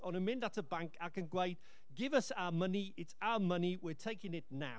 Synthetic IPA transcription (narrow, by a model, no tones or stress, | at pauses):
ənənmɪ̃ndatʰəbãŋkʰakʰə̃nɡwejd̥̚ | ɡɪvəsaməniɪtʰaəməniwɪtʰejkɪ̃ŋɪtna̰